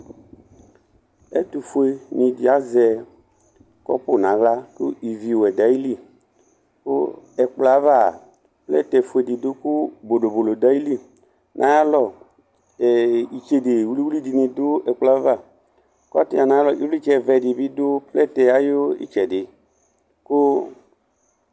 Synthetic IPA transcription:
ɛ̰˦t̪u˨fo˨e˧nĩ˧di˨a˦zɛ˧ | kɔ̰˦po˦˨nã˨˦ɣla˦ku˦i˨vi˨wo˨ɛ˨da˨˦i˦li˦˨ | ko˦ɛ˨k͡pla˨˦va˦˨ | plɛ˦tɛ˨fo˨e˨di˨do˦ku˦bo˨ɖo˨bo˨lo˨da˦i˦li˦˨ | nʔã̰˨˦ja˦lɔ˦˨ | i˨t͡ʃe˧de˨wli˦wli˦di˧nĩ˧dʊ˦ɛ˨k͡pla˦va˦˨ | kɔ˦ti˦a˨nã˨˦a˦lɔ˨ʔi˦wli˦t͡ʃɛ˧˨vɛ˧˨dɪ˨bi˦do˦plɛ˦˨tɛ˨a˨˦jo˦ḭ˦t͡ʃɛ˨dɪ˨ | ko˦

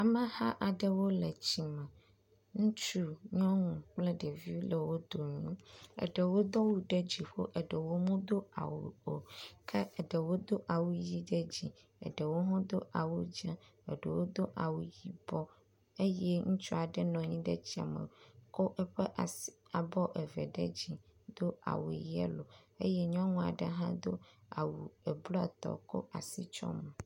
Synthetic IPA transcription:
a˨mə̃˨ha˦ʔa˨ɖə˦wo˦lɛ˨t͡ɕi˨mɛ̃˨ | ŋũ˦t͡ʃu˦ɲɔ̃˦ŋũ˨k͡plɛ˦ɖə˨vi˦lɛ˨wo˦d̪o˨ɲũ˦ə̰˨ɖə˨wo˦d̪ɔ˦wu˦ɖe˦d͡ʑi˨ɸo̰˦ʔə˨ɖə˨wo˦mũ˦d̪o˦a̰˨wṵ˨o˨kʰɛ˦ɛ˨ɖə˨wo˦d̪o˦ʔa˨wu˦ji˦ɖe˦d͡ʑi˨ | ə̰˨ɖə˨wo˦ɦɔ̃˦d̪o˦ʔa˨wu˦d͡ʒɛ˦ɛ̰˨ɖe˨wo˦d̪o˦ʔa˨wu˨ji˦bɔ˦ | e˦jɛ˦ŋũ˦t͡ʃɔ˦a˨ɖɛ˦nɔ̃˨ɲĩ˦ɖɛ˦t͡ɕi˦a̰˨mḛ˨ko˦ʔɛ˦ɸɛ˦ʔa˨sa˨bɔ˦ʔɛ˨vɛ˨ɖɛ˦d͡ʑi˨d̪o˦a̰˨wu˨jɛ̰˦lo˨e˦jɛ˦ɲɔ̃˦ŋũ˦a̰˨ɖɛ˦ɦã˦d̪o˦a̰˨wu˨ɛ˨blɔ˦a˨t̪ɔ̰˨ko̰˦ʔa˨si˦t͡ʃɔ̰˦me˨

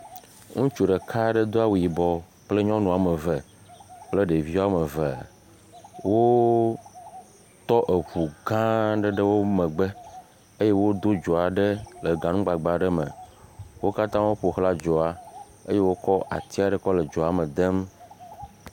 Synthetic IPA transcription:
ŋũ˦t͡ʃu˨ɖə˨kʰa˦ɖə˦d̪o˦a˦wu˨ji˨bɔ˨ | k͡ple˦ɲɔ̃˦nũ˨a˨mə˨və˨ | k͡plə˦ɖe˨vi˦wa˦mə˨və˨ | wo˦ | t̪ɔ˦ʔe˨ɸu˨ɡã˦ɖə˦ɖə˦wo˦mə̃˨ɡ͡bə˦ | e˦je˦wo˦d̪o˦d͡ʒɔ˨a˨ɖə˦lə˨ɡã˨nũ˦ɡ͡ba˨ɡ͡ba˨ɖə˦mə̰̃˨wo˦ka˦t̪ã˦wo˦ɸo˨xla˦d͡ʒɔ˨a˨ | ḛ˦je˦wo˦kɔ˦ʔa̰˨t̪i˦a˨ɖə˦˨kɔ˦lə˨d͡ʒɔ˨a˨mə˨d̪ə˦m

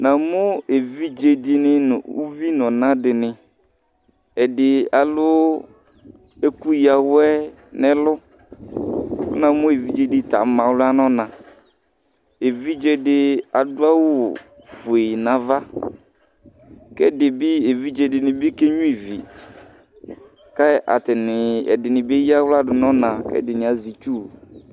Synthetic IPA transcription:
nã˨mʊ̃˦e˨vi˦d͡ʒe˨dɪ˨nɪ˦n̰˨ṵ˦vi˦nɔ̃˨nã˦dɪ˨nɪ̃˨ | ɛ˨dɪ˨a˨lʊ˦ | e˦ku˦ja˨wʊ˦ɛ˦ | nɪ˦lʊ˦ | ʊ̰˦nã˨mʊ̃˦e˨vi˦d͡ʒe˦di˨ta̰˨mã˨wlʊ˦a˦nɔ̃˦nã˨ | e˨vi˦d͡ʒɛ˦dɪ˦a˨dʊ˦a˦wʊ˦ | fʊ˨e˨nã˨va˦ | kɛ˦dɪ˨bɪ˦e˨vi˦d͡ʒɛ˦dɪ˨nɪ̃˨bɪ˦ke˦ɲũ˦i˨vi˨ | ka˦˨ʔa̰˨tɪ˨nɪ˨ɛ̰˨dɪ˨nɪ̃˨be˦ja˦wla˦dʊ˨nɔ̃˦nã˨kɛ̰˦dɪ˨nɪ̃˨a˨zi˨t͡ʃu˦˨

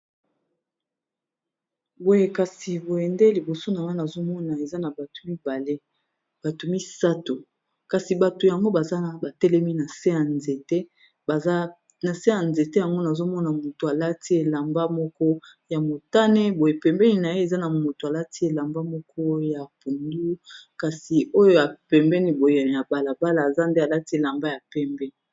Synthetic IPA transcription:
bo˨je˨ka˨si˨bo˨jɛ˨nde˦li˨bo˨so˦na˨wa˦na˨zo˦mɔ˦na˨e˨za˦na˨ba˨to̥˨mi˦ba˨le˦ | b̥a˨to˨mi˦sa˦to˨ | ka˨si˨ba˨to˨ja˨ŋɡo˦ba˨za˦na˨ba˨tɛ˦lɛ˦mi˦na˨se˦a˨nze˨te˦˨˦ | na˨se˦a˨nze˨te˦ja˨ŋɡo˦na˨zo˦mɔ˦na˨mo˨to˨a˨la˦ti˦e˨la˨mba˦mɔ˦kɔ˦ja˨mo˨ta˦ne˦bo˨je˨pɛ˨mbɛ˦ni˦˨na˨je˦e˨za˦na˨mo˨to˨a˨la˦ti˦e˨la˨mba˦mɔ˦kɔ˦ja˨pu˨ndu˦ka˨si˨o˦jo˦ja˨pɛ˨mbɛ˦ni˨bo˨je˨ja˨ba˨la˨ba˦laː˨za˦nde˦a˨la˦ti˦e˨la˨mba˦ja˨pɛ˦mbɛ˦˨

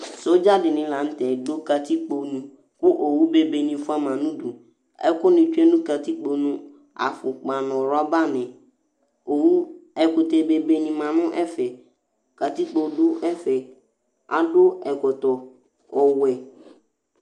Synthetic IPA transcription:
so˦d͡ʒa˦dɪ˨nɪ̃˨la˨n̩˦tɛ˨do˦ka˨t̪i˦k͡po˨nũ˨ | kʊ˦ʔo˨wu˦be˦be˨nĩ˨fʊ˦a˦mã˨nũ˦du˨ | ɛ̰˦kʊ˦nɪ̃˨t͡ʃu˦ɛ˦nũ˦ka˨ti˦k͡po˨nũ˦ | a̰˨fʊ˨k͡pa˨nʊ̃˨ɾa˦ba˦nɪ̃˨ | o˨wu˦ɛ˨kʊ˨tɛ˨be˨be˨nĩ˨mã˨nʊ̃˦ʔɛ˦fɛ˨ | ka˨ti˦k͡po˨dʊ˦ɛ˦fɛ˨ | a̰˨dʊ˦ɛ˨kɔ˨tɔ˨ | ɔ˨wɛ˨

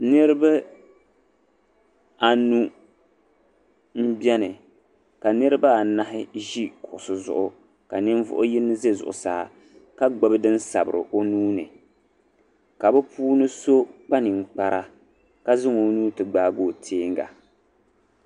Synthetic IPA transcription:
nɨ˦ɾɨ˦bɨ˦ | a˨nu˦ | m̩˦bɛ˦nɨ˨ | ka˨nɨ˦ɾɨ˦ba˦˨na˦ɦɪ˦ʒi˦kʊ˨sɨ˨zʊ̰˨ʔʊ˦ | ka˨nɪ˦ɱ˦vʊ̰˦ʔʊ˦ji˦nːɨ˦ze˦zʊ̰˨ʔʊ̰˨saː˨˦ | ka˦ɡ͡bɛ˦bɨ˦dɨ˦n̩˦sa̰˨bɨ̰˨ɾʔɨ̰˨ʔo˦nuː˦nɨ̰˨ | ka˨bɛ˦puː˦nɨ˦so˦k͡pa˦nɪ˨ŋ͡m̩˨k͡pa˨ɾʔa˦ | ka˦zɪ˦ŋo˨˦nuː˦tɨ˨ɡ͡baː˦˨ɡoː˦˨tʰeː˦ŋ˦ɡa̰˨

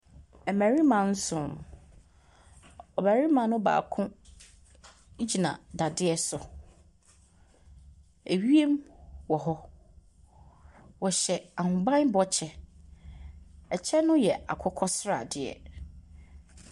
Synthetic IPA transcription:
ɛ˨mæ̃˨ɾi˦mã˨n̩˦sʊ̃˨m | ɔ˨bæ˨ɾi˦mã˨˦nʊ̃˦ba̰ː˨kʰʊ̃˦ | d͡ʑi˨nã̰˨da˨dɪ˦ɛ˦sʊ˨ | e˨ɥi˦e˦mwɔ˨ɦɔ˦ | wɔ˨ɕɛ˨a˨hʊ̃˨bã˦nbɔ˦t͡ɕʰɛ˨ | ɛ˨t͡ɕʰɛ˦nʊ̃˦jɛ˨a˨kʰʊ˦kʰɔ˦sɾa̰˨dɪ˨ɛ̰˨

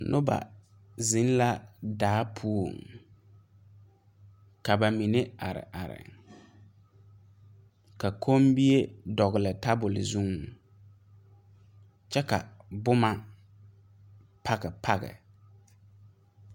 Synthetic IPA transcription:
nʔʊ˦ba̰˨ | zɪ˨˦n˦la˦daː˦pʰu˦o̰˨ŋ | ka˨ba˨mi˨ne˦a˨ɾɪ̰˨ʔa˨ɾɪ̰˨ŋ | ka˨kʰo˦mbi˦e˦dɔ˨ɣɪ˨lɪ˨ta˦bʊ˨lɪ̰˨zu˦ŋ˨ | t͡ʃɛ˦ka̰˨bʊ˦ma˦ | pʰa˦ɣɛ˨pʰa˦ɣɛ̰˨

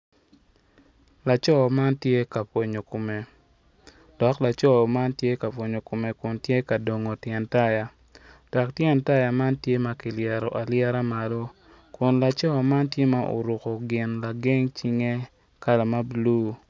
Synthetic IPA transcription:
la˨t͡ʃɔ˦˨ma˦ntje˦ka˨pwo˨ɲo˨ko˨me˨ | d̥ɔ˨kla˨t͡ʃɔ˦˨ma˦ntje˦ka˨pwo˨ɲo˨ko˨me˨kʊ˨ntje˦ka˨do˨ŋo˨tjɛ˨nta˦ja˨ | d̥ɔ˨ktjɛ˨nta˦ja˨ma˦ntje˦ma˦ki˨ljɛ˨ɾɔ˨ʔa˨ljɛ˦ɾa˦ma˨lo˦ | kʊ˨nla˨t͡ʃɔ˦˨ma˦ntje˦ma˦ʔo̰˨ɾu˨kɔ˨ɡɪ˨nla˨ɡe˦ŋt͡ʃi˦ŋe˦ | ka˦la˨ma˦blu˦

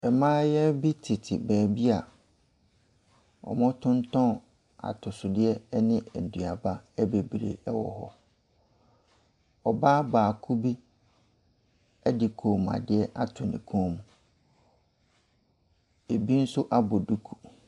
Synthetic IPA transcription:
ɛ˨mãː˦jɛ˦bi˦tʰɪ˨tʰɪ̰˨bɛː˨bi˦a˨ | ɔ̰˨mʊ̃˦tʰʊ̃˦ntʰɔ̃˦˨ | a̰˨tʰʊ˨sʊ˨dɪ˦ɛ˦nɪ̃˦ɛ˨n˨dũ˨a˨ba˦ɛ˦be˨bɾḛ˨ɛ˦wɔ̰˨hɔ̰˦ | ɔ˨baː˦baː˨kʰu˦bi˦ | ɛ˦dɪ˨kʰõ˨m˨ã̰˨dɪ˦ɛ˦ʔa˦tʰʊ˨nɪ̰̃˨kʰõ˦mũ˨ | e˨bi˦n̩˦sʊ˦ʔa˦bɔ˨du˦kʰu̥˨

